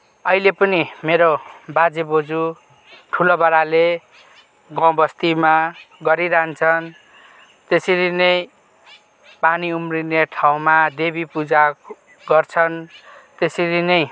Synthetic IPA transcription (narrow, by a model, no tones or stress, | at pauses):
ʌilepʌnimeɾobad͡zebod͡zu | ʈʰulobaɾale | ɡãw̃bʌst̪imaɡʌɾiɾaɦnt͡sʰʌn | t̪esiɾinʌj | paniumrineʈʰaw̃mad̪ebipud͡za | ɡʌrt͡sʰʌnt̪esiɾinʌj